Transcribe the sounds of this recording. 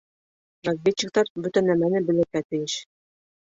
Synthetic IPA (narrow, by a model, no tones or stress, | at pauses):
rɐzʲvʲetːɪk̚t̪ɑɾbɵt̪ænːæmænɘbɘ̆lɘ̆ɾkæt̪ɘ̆jɘʃ